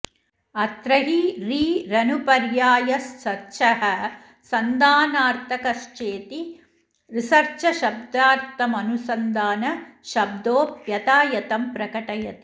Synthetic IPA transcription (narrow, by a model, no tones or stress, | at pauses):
ɐt̪ɾɐɦiɾiːɾɐnupɐɾjaːjɐssɐɾʃɐɦɐ | sɐnd̪aːnaːɾt̪ʰɐkɐʃt͡ʃeːt̪i | ɾisɐɾt͡ʃɐʃɐb̚d̪aːɾt̪ɐmɐnusɐnd̪aːnɐʃɐb̚d̪oːpjɐt̪aːjɐt̪ɐmpɾɐkɐʈɐjɐt̪i̥